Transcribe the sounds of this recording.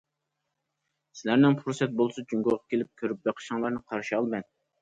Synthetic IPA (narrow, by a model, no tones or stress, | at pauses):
sɪlæɾnɪŋpʰɾosɛt̪̚bolˠsɑd͡ʒyŋɡoʁɑ̥kʲelɪp̚kʲʰøɾyp̚beqʰə̥ʃɑŋlˠɑɾnɨqʰɑɾʃiɑlˠbɛn̚